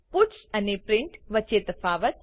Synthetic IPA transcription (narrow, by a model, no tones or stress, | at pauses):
puʈsɐnepɾɪɳʈʋɐt͡ʃet̪əfaːʋət̪̚